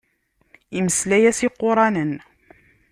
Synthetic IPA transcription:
iməslæjæsiqːʊɾˤɑnən

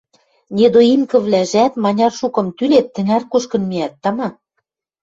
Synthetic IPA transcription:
nʲed̪oimkɤ̆βlæʒæt̪mɑnʲɑrʃukɤ̆mt̪ylet̪ːɘ̆nærkuʃkɤ̆nmiæt̪ːɑmɑ

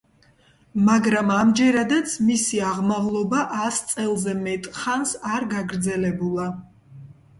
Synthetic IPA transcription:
maɡɾamamd͡ʒɛɾad̪at̪sʰmisiaʁmaʁlˠɔbaʔast̪sʼɛlˠzɛmɛt̪ʼχansaɾɡaɡɾd̪zɛlɛbulˠa

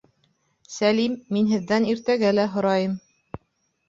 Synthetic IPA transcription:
sælimːinɦɘ̆ðːæniɾt̪æɡælæɦŏɾɑjɤm

